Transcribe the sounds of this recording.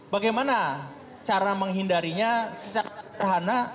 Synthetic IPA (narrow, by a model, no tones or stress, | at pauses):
baɡajmana | t͡ʃaɾaməŋɦindaɾiɲasət͡ʃakaɦana